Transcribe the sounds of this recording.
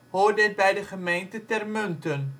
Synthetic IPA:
ɦoːrdət̚bɛjdəχəmejntətɛrmɵntən

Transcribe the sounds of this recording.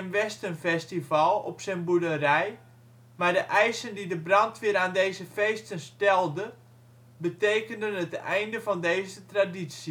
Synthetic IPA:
ənʋɛstənfɛstivalˠɔ̰psɛnbudərɛj | mardəʔɛjsəndidəbrɑntʋɪːɾaːndejzəfejstənstɛlˠdə | bətejkəndənətɛ̰jndəvɑndeːjzətraditsjə

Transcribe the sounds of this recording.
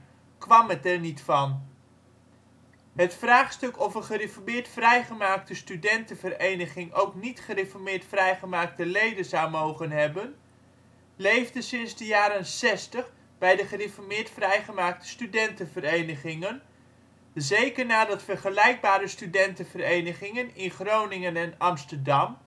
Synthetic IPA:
kʋɑmətɛɹnitfɑn | ɦətfraːχstɵkɔfəχərɪfɔɹmɪːɹtfrɛjχəmaːk̚təstydɛntəvərejnəχɪŋʔowknitχərefɔɹmɪːɹtfrɛjχəmaːk̚təlejdənzawmowχənɦɛbən | lejvdəsɪnzdəjaːɾənsɛstəχ | bɛjdəχərɪfɔɹmɪːɹtfrɛjχəmaːk̚tə̥stydɛntənvəɾejnəχɪŋən | zejkəɹnaːdɑtfərχəlɛjk̚baːɾəstydɛntəvərejnəχɪŋənɪnχrownɪŋənɛnɑmstəɹdɑm

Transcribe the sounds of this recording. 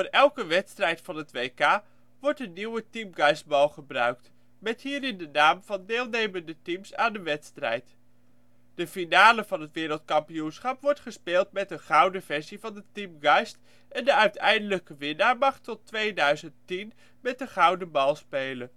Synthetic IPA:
oːɹɛlˠkəʋɛtstrɛjtfɑnɦətʋejkaː | ʋɔɹtənːiwətimɡɑjsd̚bɑlˠχəbrœ̰ɥk̚t | mɛtɦiːɾɪndənaːmv̥ɑndeːlˠnejməndətimsaːndəʋɛtstrɛ̰jt | d̥əfinaːləvɑnɦətʋɪːɾəlˠtkɑmpiunsχɑpʋɔɹtχəspeːlˠtmɛtəχʌwdəvɛɹzivɑndətimɡɑjst | ɛndəœɥtʰɛ̰jndələkəʋɪnaːɹmɑχtɔtʋejdœɥzəntin | mɛt̚dəχʌwdəbɑlˠspejlə

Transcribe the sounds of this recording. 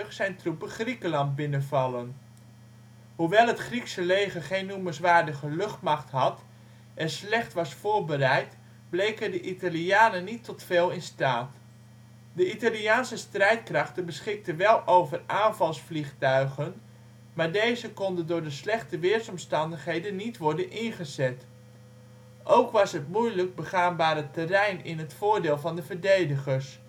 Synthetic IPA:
χsɛjntrupəχrikəlɑnt̚bɪnəvɑlˠən | huʋɛlˠɦətχriksəlejχəχejnːuməsʋaːɹdəχəlɵχtmɑχtɦɑt | ʔɛslɛχtʋɑsfʊːɹbərɛjt | blejkədəʔitaliaːnənitːɔtfeːlˠɪnstaːt | dəitaliaːnsəstrɛjtkrɑχtənbəsχɪk̚tənʋɛlˠʔowvəraːnvɑlˠsfliχtœɥχən | maːɹdejzəkɔndəndʊːɹdəslɛχtəʋɪːɹsɔmstɑndəχɦejdənːitʋɔɹdənʔɪnχəzɛt | ʔowkʋɑsɦətmujləɡ̚bəχaːnbaːɾətərɛjnɪnɦətfʊːɹdɪːlˠvɑndəvəɹdejdəχəs

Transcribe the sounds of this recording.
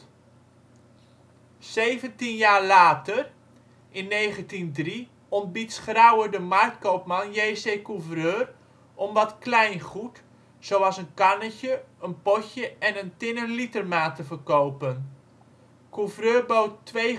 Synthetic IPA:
sejvəntinjaːrlaːtər | ʔɪnːejχəntindri | ɔmbitsχrawədəmartkowpmɑnjeːsejkuvrøːr | ʔɔmʋɔtklɛjnχut | sowɑsənkanəcəənpɔcəʔɛnəntɪnəlitərmaːtəfərkowpən | kuvrøːrbowtːʋej

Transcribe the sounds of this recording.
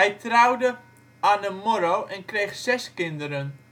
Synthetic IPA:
ɛjtrawdə | aːnəmɔɾowʔɛnkrejχsɛskɪndəɾən

